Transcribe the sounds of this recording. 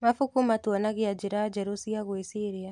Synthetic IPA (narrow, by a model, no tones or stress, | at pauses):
mafukumatuanaɣiad͡ʒiɾad͡ʒɛɾusiaɣwɛsiɾia